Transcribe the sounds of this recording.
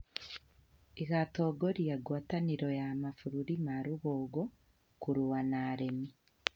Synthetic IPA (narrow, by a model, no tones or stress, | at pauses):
iɣatoɡoɾijaɡwaːtaniɾojamafuɾuɾimaɾuβoːɡo | kuɾuwanaɾemi